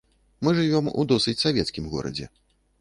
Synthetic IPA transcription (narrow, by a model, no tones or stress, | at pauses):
mɨʐɨvʲɔmṵd̪ɔsɨt͡sʲsavʲɛt̪skʲimɣɔ̰ɾɐ̰d͡zʲɛ̰